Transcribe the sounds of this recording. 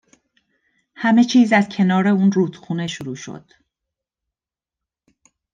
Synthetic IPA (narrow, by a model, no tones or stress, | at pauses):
hæme̞t͡ʃʰiːzæzcʰe̞nɒːɾe̞uːnruːt̪xuːne̞ʃuɾuːʃo̰d̪̥